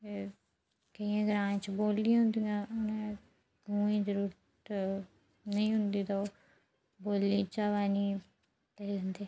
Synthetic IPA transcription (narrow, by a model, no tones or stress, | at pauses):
eː | kəiãːɡəɾãːt͡ʃboːlːijãɦʊ̃nd̪iãːʊnẽː | ɡuːĩːzəɾuːɾ | t̪ | nəĩːɦʊnd̪iːt̪o | boːlːiːt͡ʃaːʋaːniː | leeɦʊnd̪eː